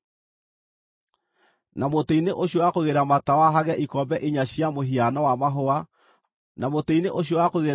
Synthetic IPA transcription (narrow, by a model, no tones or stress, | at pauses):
namoteineʔoɕjowakoɣeɾamatawaɦaɣɛʔikɔmbɛʔeɲaɕjamoɦianɔwamaɦoa | namoteineʔoɕ̬jowakoɣeɾ